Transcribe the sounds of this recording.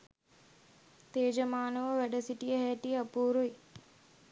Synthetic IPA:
t̪eːd͡ʒɐmaːnɐʋəʋɛɖɐsiʈijəɦɛʈijɐpuːɾuj

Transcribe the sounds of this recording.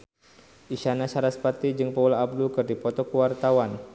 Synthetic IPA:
ʔiʃanat͡ʃaɾaspat̪id͡ʒɨŋpəulaːb̚dukɨrdipɔt̪ɔkəwart̪awan

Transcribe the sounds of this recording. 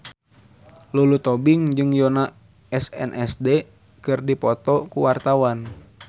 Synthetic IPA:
lulut̪ɔbiŋd͡ʒɨŋjona | ɛsɛ̰nʔɛsdɛ | kɨrdipɔt̪ɔkuwart̪awan

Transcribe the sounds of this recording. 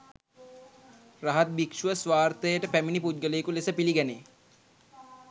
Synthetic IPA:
raɦat̪̚bikʂuʋəsʋaːrt̪əjəʈəpæminiput̪̚ɡəleːkulesəpiliɡæneː

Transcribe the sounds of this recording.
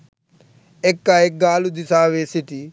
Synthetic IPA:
ekːaeɡːaːlud̪isaːʋeːsiʈi

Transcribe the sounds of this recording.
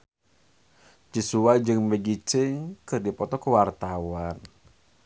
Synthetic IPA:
t͡ʃisuad͡ʒɨŋbəɡit͡ʃɪŋkɨrdipɔt̪ɔkuwart̪awan

